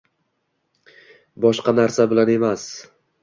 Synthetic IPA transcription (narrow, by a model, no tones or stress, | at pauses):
bɒʃqɑnaɾsabɪlane̞mas